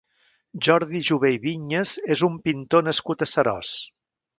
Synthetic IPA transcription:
ʒɔɾðiʒuβejβiɲezezumpint̪onəskut̪əsəɾɔ̰s

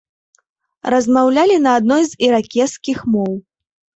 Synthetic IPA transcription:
ɾɐzmawlʲalʲinɐːd̪̚nɔjziɾakʲɛskʲixmɔw

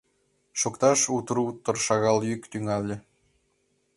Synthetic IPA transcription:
ʃokt̪ɑʃut̪ɾut̪ːɤ̆rʃɑɣɑlˠjykt̪yŋɑlʲːɘ̆

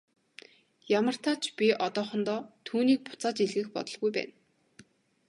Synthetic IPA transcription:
jamə̆r̥t̪ʰaːt͡ɕʰpʲiʔɔt̪ɔːχɞ̆nt̪ɔːt̪ʰuːniːk̚pʊ̥t͡saːt͡ɕiɮɣɘ̆xpɔ̰t̪ɞ̆ɮɣujpæ̰ːn

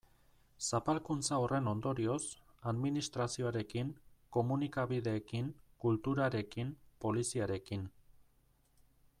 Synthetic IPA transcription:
sapalkunt͡saore̞no̞nd̪o̞ɾio̞saðminist̪ɾasio̞aɾe̞kiŋko̞munikaβiðe̞ːkiŋkult̪uɾaɾe̞kimpo̞lisiaɾe̞kin

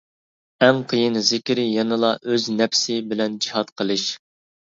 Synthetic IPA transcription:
ɛŋqʰəjɨnzɪkʲɾɪjɑnɨlˠɑʔøznɛpsɪbɪlɛnd͡ʒihɑt̪qʰəlˠɨʃ

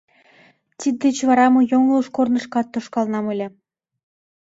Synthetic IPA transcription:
t̪ʲid̪ʲːet͡ɕvɑɾɑmɤ̆joŋlˠuʃkornɤ̆ʃkɑt̪ːŏʃkɑlˠnɑmɤ̆lʲĕ

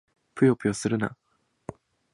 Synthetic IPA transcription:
pɯ̟jopɯ̟josɨɾɯ̟na̰

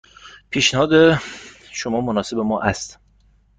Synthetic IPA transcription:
pʰiːʃnehɒːd̪e | ʃomɒːmonɒːse̞bemɒːʔæst̪

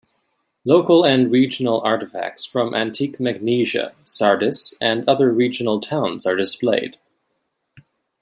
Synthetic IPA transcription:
loʊkl̩ˠɨ̃nɹid͡ʒn̩l̩ˠɑɹɾɨfæ̰k̚tsfɹʌ̃mʔæ̰̃ntʰikmæɡ̚niʒɨ̰sɑɹdɨsʔɨ̃nʌðə˞ɹid͡ʒnl̩ˠtʰãʊ̃nzə˞dɨspleɪd̥

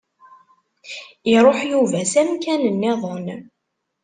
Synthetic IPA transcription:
iɾˤoħjuvæsæmkænənːɪðˤən

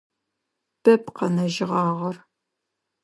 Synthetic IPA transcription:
b̥ɐpqɐnɐʒɪʁɑːʁɐr

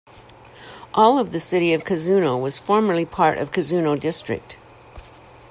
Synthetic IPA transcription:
ʔɔlˠʌvðɨsɪɾiʌv̥kʰɨzʉnoʊwʌz̥fɔɹmə˞lˠipʰɑɹɾʌ̰v̥kʰɨzʉnoʊdɪstɹ̥ɨ̰k̚t

